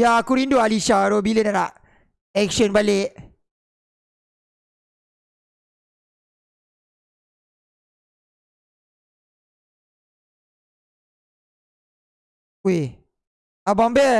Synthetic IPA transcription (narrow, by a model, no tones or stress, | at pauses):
jakuɾindoaliʃaɾobilenalaʔ | ɛkʃɔnbaleʔ | we | abɔmbe